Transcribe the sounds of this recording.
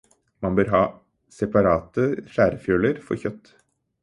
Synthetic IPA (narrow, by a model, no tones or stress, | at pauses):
mɑnbøːɾɦɑː | sɛpɑɾɑːt̪əʃæːɾəfjøːləɾfɔ̰ɾçœt̪ː